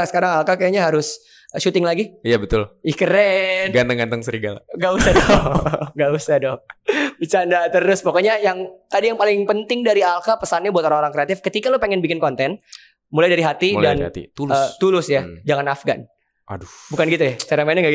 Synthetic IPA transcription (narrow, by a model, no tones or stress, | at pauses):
səkaɾaŋalkakajaɲaɦaɾʊs | ʃut̪ɪŋlaɡiijabət̪ʊlikəɾɛt̪ɡant̪əŋɡant̪əŋsəɾiɡala̰ŋɡausahdɔŋɡausadobit͡ʃandat̪əɾʊspokoɲajaŋt̪adijaŋpalɪŋpənt̪ɪŋdaɾialkapəsanɲabuat̪oɾaŋoɾaŋkɾeat̪ɪfkət̪ikalopəŋɛnbikɪnkɔnt̪ɛn | mulajdaɾiɦat̪idana̰t̪ḭt̪ulət̪ulʊsjad͡ʒaŋanafɡan | a̰dubukanɡit̪ujat͡ʃaɾamanəŋɡaɡi